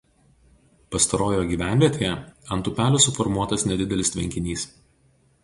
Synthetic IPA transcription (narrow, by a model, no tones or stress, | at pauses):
pɐst̪ɐɾoːjoːɡʲiːʋʲæˑnʲʋʲiɛt̪ʲeːjɛɐnt̪ʊpʲæːlʲosʊfɔɾmuɔt̪ɐsnʲɛd̪ʲɪd̪ʲɛlʲɪst̪ʲʋʲɛŋʲkʲɪnʲiːs